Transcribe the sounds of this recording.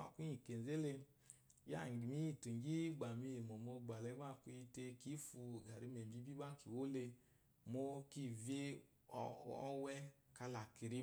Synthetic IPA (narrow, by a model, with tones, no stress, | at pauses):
a̰˨ku˦i˨ke˨n˨ze˦le˧˦ | ja̰˦˨ɡi˨mi˦i˦˨tu˨ŋ˨ɡi˦ɡ͡ba˨mi˧je˨mo˨mo˧ɡ͡ba˨le˨˦ɡ͡ba˦˨ku˧˦i˧te˧ki˦fu˧˨ɡa˨ɾi˨˦me˨m˨bi˦bi˦ba˦ki˨wo˦le˧ | mo˦ki˦˨ve˦˨ | ɔ˦wɛ˦ | ka˧la˨ki˨ɾi˦